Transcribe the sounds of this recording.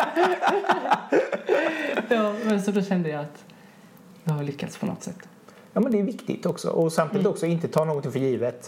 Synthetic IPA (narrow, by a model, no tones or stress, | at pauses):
jɑːmɛnsɔd̪ɔɕɛnd̪əjaat̪ | j̪ɛhaɭʏkːat̪spʰɔnɔ̰t̪ːsɛ̰t̪ː | jɑːmɛnd̪ɛːjʉvɪkt̪ɪ̰t̪ɔksɔ̰ʔɔsamt̪ʰiːd̪ɪt̪ɔksɔɪnt̪ət̪ʰɑːnoːɡɔnɪŋfœəɾjiːvət̪